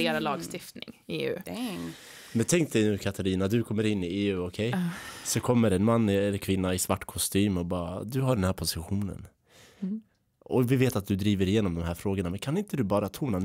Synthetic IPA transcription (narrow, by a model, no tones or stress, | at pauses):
eːɾalɑːɡst̪ɪft̪nɪ̰ŋḛːʉ̰ː | mɛnt̪ʰɛŋkt̪ənʉ̟ːkʰat̪ʰaɾiːnad̪ɵkʰɔmːəɾɪnːɪeːʉ̟ːɔkʰɛjsɔkʰɔmːəɾɛnmanːɛlːəkʰvɪnːaɪsvaʈːkʰɔst̪yːmɔbɑːɾa̰d̪ɵɦaɖɛnhæːɾpʰʊsɪɧuːnə̰n | ɔvɪveːt̪at̪̚d̪ɵd̪ɾiːvəɾɪjeːnɔmd̪ɔmɦæːɾfɾoːɡəɳamɛnkʰanɪnt̪əd̪ɵbɑːɾat̪ʰuːna